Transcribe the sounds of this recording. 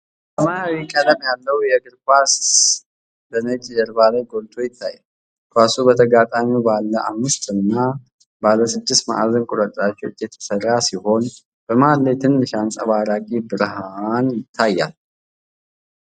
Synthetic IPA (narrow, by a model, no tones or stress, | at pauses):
bəmaawikʼələmjalːəwjɛɡɨɾkʷas | d̪ənət͡ʃʼːzəɾbalajɡo̞lt̪ʰʼo̞jɪt̪ʰːajːa | kʰʷasubət̪ʰəɡat̪ʼamibalːəʔa̰mːɨst̪ɨnːa | balːəsɨd̪ːɪst̪ma̰ʔzənkʼʊɾət̪ʼɾat͡ʃːɛwt͡ʃʼːjɛt̪ʰə̥sərːasiho̞n | b̥əmalːet̪ʰɨnːɨʃansʼəβaɾakʼibɨɾhanjɪt̪ʰːajːa̰l